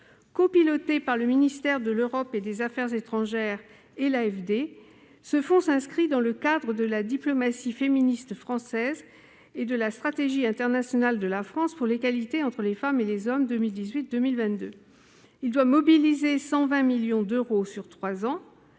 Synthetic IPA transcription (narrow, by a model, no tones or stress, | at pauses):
kopilɔt̪epaʁləminist̪ɛʁd̪əløʁɔped̪ezafɛʁzet̪χɑ̃ʒɛʁ | elaɛfd̪e | səfɔ̃sɛ̃skχid̪ɑ̃ləkad̪ʁəd̪əlad̪iplɔmasifeminist̪fχɑ̃sɛz | ed̪əlast̪χat̪eʒiɛ̃t̪ɛʁnasjɔnald̪əlafχɑ̃spuʁleɡalit̪eɑ̃t̪χəlefamelezɔmd̪ømild̪izɥit̪̚d̪ømilvɛ̃t̪̚d̪ø | ild̪wamɔbilizesɑ̃vɛ̃miljɔ̃d̪øʁosyʁt̪χwazɑ̃